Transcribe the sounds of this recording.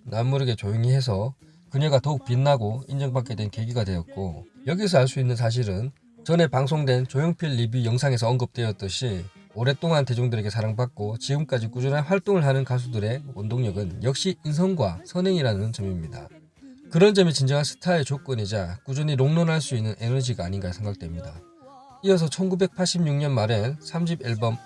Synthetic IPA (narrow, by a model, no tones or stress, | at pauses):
namːuɾɯɡe̞t͡ɕojoŋiɦe̞s̬ʰʌ | kɯɲʌɡatʌuk̚p͈inːaɡoind͡ʑʌŋbak͈e̞dwe̞nke̞ɡiɡadwe̞jʌt̚k͈o̰jʌɡis̬ʰʌaɭs͈uinːɯns̬ʰaɕ̬ʰiɾɯn | t͡ɕʌne̞paŋs̬ʰoŋdwe̞nt͡ɕojoŋpʰjʌʎːibijʌŋsʰaŋe̞sʰʌʌŋɡɯp̚t͈we̞ʌt͈ɯɕʰioɾe̞t͈oŋante̞d͡ʑoŋdɯɾe̞ɡe̞sʰaɾaŋbak̚k͈ot͡ɕiɯmk͈ad͡ʑik͈ud͡ʑunɦanɸwaɭt͈oŋɯɭɦanɯnkas̬ʰudɯɾe̞ondoŋɲʌɡɯnjʌk̚ɕ͈iins̬ʰʌŋɡwasʰʌnɦe̞ŋiɾanɯnt͡ɕʌŋimɲida̰ | kɯɾʌnd͡ʑʌmit͡ɕind͡ʑʌŋansʰɯ̥tʰaet͡ɕok͈ɯnid͡ʑak͈ud͡ʑuɲiɾoŋnʌnɦaɭs͈uinːɯnʔe̞nʌd͡ʑiɡaːɲinɡaesʰe̞ŋɡak̚t͈wemɲida̰ | iʌs̬ʰʌt͡ɕʰʌnɡube̞k̚pʰaɭɕ͈ʰibɲuŋɲʌnmaɾensʰamɕʰibiɭbʌm